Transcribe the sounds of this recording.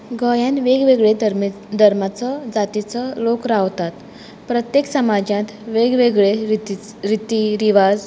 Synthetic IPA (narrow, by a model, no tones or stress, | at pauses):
ɡəjãnʋeɡʋeɡɭed̪ɾ | d̪ʱəɾmat͡sɔd͡zat̪it͡sɔlokɾaʋt̪at̪ | pɾət̪jeksəmad͡ʑjãt̪ʋeɡʋeɡɭe | ɾit̪iɾiʋad͡z